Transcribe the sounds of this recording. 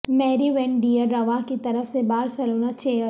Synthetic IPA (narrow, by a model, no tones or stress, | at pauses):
mɛːɾiʋɛ̃ːɳɖiːəɾːɐʋakit̪ɐɾəfsebaːɾsɐloːnat͡ʃeːəɾ